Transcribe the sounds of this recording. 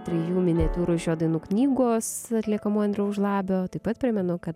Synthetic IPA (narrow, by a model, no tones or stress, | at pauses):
t̪ʲɾʲɪjuːmʲɪnʲɛt̪ʲuːɾʊɪʒʲoːd̪ɐɪnuːknʲiːɡoːsɐt̪ʲlʲiɛkɐmuːɐnʲd̪ʲɾʲɛʊʒlˠɑːbʲoːt̪ɐɪpɐt̪̚pʲɾʲɪmʲɛnʊkɐt̪